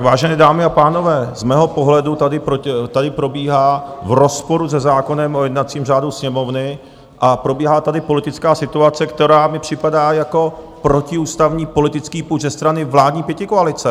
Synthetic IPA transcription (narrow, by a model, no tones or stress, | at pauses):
avaːʒɛnɛːdaːmɪapaːno̞vɛːzmɛːɦo̞po̞ɦlɛdut̪adɪpɾot̪adɪpɾo̞biːɦaːvɾo̞spo̞ɾuzɛzaːko̞nɛmojɛdnat͡siːmraːduwsɲɛmo̞vnɪ | ʔapɾo̞biːɦaːt̪adɪpo̞lɪt̪ɪt͡skaːsɪt̪uat͡sɛkt̪ɛɾaːmɪpr̝̥ɪpadaːjako̞ | pɾo̞cɪuːst̪avɲiːpo̞lɪt̪ɪt͡skiːpuzɛst̪ɾanɪvlaːdɲiːpjɛcɪkoalɪt͡sɛ